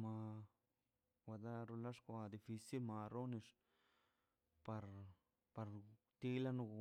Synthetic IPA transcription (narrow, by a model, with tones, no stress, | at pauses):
ma˧ | wʷa˨d̪a˦ɾo˧la˦ʂkʷa˧d̪i˨fi˧si˦lma˧ɾo˦ni˧ʂ | pa˧ɾ | pa˧ɾ | t̪i˧la˦nu˧